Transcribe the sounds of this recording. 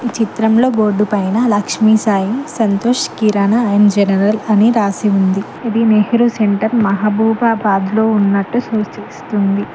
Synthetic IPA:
it͡ʃit̪ɾɐmlo̞ːbo̞ːɖupɐjnɐlɐkʂmisaːjimsɐnt̪oːʂkiɾaːnɐɐjɐnd͡ʒɛnɐɾɐlɐniɾaːsiund̪i | ɐd̪ineɦɾuseɳʈɐɾmɐɦabʱuːbaːbaːd̪lo̞ːunːɐʈːusoːst͡ʃist̪und̪i

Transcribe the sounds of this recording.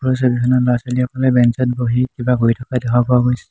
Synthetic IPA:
pɹɔsɔbibʱinːɔlɔasɔliɔkʰɔlɛbɛnsɔt̚boɦikibaɡojtʰɔkadɛkʰapɔaɡojsɛ̥

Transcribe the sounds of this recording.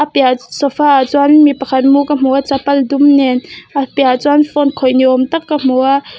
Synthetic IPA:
ʔapjasɔfaʔat͡swanmipɐkʰat̪̚mukam̥uat͡sapɐldumnɛnʔapjat͡swanfɔnkʰɔjniʔɔmt̪akːam̥ua

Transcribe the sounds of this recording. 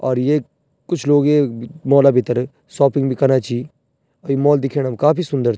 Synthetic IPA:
ɔːɾjeː | kʊt͡ʃʰloːɡeːmɔːlaːbɪt̪ːəɾ | sɔːpɪŋɡbʱiːkənaːt͡ʃiː | əimɔːld̪ɪkʰeːnəmkaːpʰiːsʊnd̪əɾ

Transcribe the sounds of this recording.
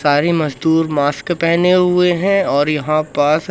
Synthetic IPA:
saːɾemɐzd̪uːɾmaːskpɛɦneɦʊeɦɛ̃ɔːɾjɐɦãpas

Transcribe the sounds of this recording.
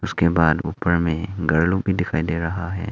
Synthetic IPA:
ʊskebaːd̪ṵːpəɾmẽɡɐɾlukbʱid̪ɪkʰaːid̪eɾɐɦaɦɛ̰ː

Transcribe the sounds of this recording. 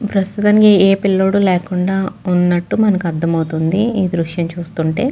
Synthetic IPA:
pɾɐst̪ut̪aːnikeeːpilːoːɽuleːkuɳɖaːunːɐʈːumɐnɐkuɐd̪ːɐmɐwt̪und̪iiːd̪ɾuʂjɐmt͡ʃuːst̪uɳʈe̞ː

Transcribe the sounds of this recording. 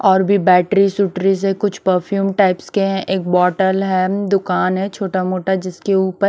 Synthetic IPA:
ɔːɾbʱibɛːʈɾisuːʈɾizɛkʊt͡ʃʰpəɾfʰjuːmʈaːɪpskeɦɛ̃ʔeːk̚bɔːʈəlɦɛd̪ʊkaːnɦɛt͡ʃʰoːʈamoːʈad͡ʒɪskeuːpəɾ

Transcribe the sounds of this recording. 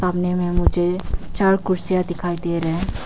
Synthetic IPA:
aːmnemẽmʊd͡ʒʱet͡ʃaːɽkʊɽsijad̪ɪkʰaːid̪eɾɛɦɛ̃

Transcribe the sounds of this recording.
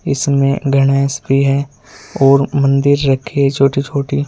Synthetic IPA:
ɪsmẽɡʱɐɽ̃ɛːsbʱiɦɛ | ɔːɾmɐ̃nd̪ɪɾɾɐkʰet͡ʃʰoːʈit͡ʃʰoːʈi

